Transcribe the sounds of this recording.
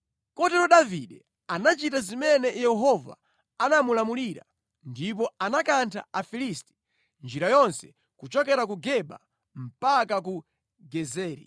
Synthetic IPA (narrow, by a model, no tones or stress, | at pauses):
kɔtɛɾɔɗaviɗɛ | anat͡ʃitazimɛnɛjɛɦɔva̰ | anamulamuliɾa̰ | ndip̬ɔanakantʰa̰afilisti̥ | nd͡ʒiɾajɔnsɛ̥ | kut͡ʃɔkɛɾak̬uɡɛɓa̰ | m̩pakak̬u | ɡɛzɛːɾḭ